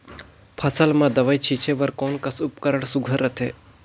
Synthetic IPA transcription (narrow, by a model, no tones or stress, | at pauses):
pʰəsəlmãd̪əʋajt͡ʃʰit͡ʃʰeʋəɾkoːnkəsʊpkəɾəɳ̃sʊɡʱəɾət̪ʰḛː